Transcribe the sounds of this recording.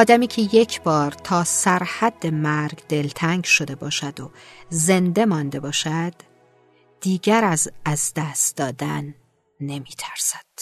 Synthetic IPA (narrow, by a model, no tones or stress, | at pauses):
ɒːd̪æmiːcʰeje̞cʰbɒːɾt̪ʰɒːsæɾhæd̪ːe̞mæɾɡd̪e̞lt̪ʰæŋɡʃo̞d̪e̞bɒːʃæd̪oze̞nd̪e̞mɒnd̪e̞bɒːʃæd̪̥ː | iːɡæɾæzæzd̪æst̪d̪ɒːd̪ænː | e̞miːt̪ʰæ̥ɾsæ̥d̪̥